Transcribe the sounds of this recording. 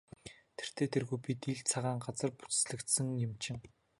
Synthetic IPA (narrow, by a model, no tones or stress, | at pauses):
t̪ʰer̥t̪ʰeːt̪ʰerɣujpit̪iɮt͡sʰaʁaːŋɢat͡sə̆rpu̥t͡s̆sɮɘ̆kt̪sɘ̆ŋjɪmt͡ɕɪ̆ŋ